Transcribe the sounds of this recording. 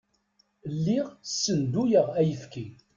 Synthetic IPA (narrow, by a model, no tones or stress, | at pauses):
lːɪʁsːənd̪ujəʁæjəθki